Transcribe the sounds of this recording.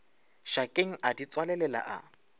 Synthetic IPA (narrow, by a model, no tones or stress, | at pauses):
ʃakʼeŋ̩ʔadit͡sʼwalɛlɛla̰ʔa̰